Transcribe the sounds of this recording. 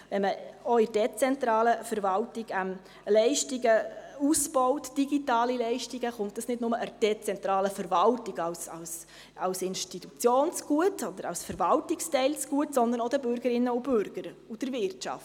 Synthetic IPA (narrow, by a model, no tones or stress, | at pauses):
vɛnməɔɪɾd̥ɛt͡sɛntɾɑːləfəɾvɑltɪɡɛm | lɛɪʃtiɡəusb̥ɔwtd̥iɡitɑːlilɛɪʃtiɡəχʊntdəsnɪdnʊməʔəɾd̥ɛt͡sɛntɾɑːləfəɾvɑltɪɡɑwsɑ̰ws | ɑwsɪnʃtitut͡sjoːnsɡ̥uətɔd̪əɾɑ̰wsfəɾvɑltɪkstɛɪlsɡ̥uətsɔnd̪ənɔd̥əbʏɾɡəɾɪnːəub̥ʏɾɡ̥əɾud̥əɾvɪrtʃɑ̰ft